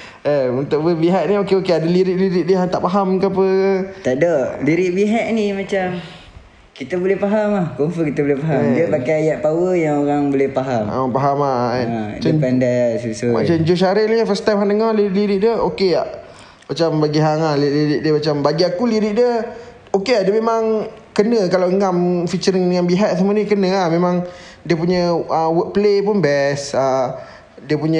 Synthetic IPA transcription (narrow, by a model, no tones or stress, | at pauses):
əunt̪ʊʔbəbiɦaʔ̪̚niokeokeadəliɾɪʔɾiɾɪʔdəɦaŋt̪a̰ʔpaɦamkaap̬ət̪adaʔliɾɪʔ̚biɦaʔ̪nimat͡ʃam | kit̪əbolɛhpaɦamahkonfəkit̪əbolɛhpaɦamdiəpakajajaʔ̪̚pawəjaŋoɣaŋbolɛhpaɦamapaɦamaat͡ʃəpandajsusuma̰t͡ʃaɲd͡ʒoʃ̬aɾɪʔnifəst̪amɦaŋdəŋarliɾʔliɾiʔdəokea | mat͡ʃambaɡiɦaŋahliliɾɪʔ̚diəmat͡ʃambaɡiakuliɾɪʔdiə | okeadəmemaŋkənəkalawŋamfit͡ʃəɾəŋəŋanbiɦat̪̚səmənikənəahmemãŋ | diəpuɲəəwəʔ̚pəlepʊnbɛsa | diəpuɲə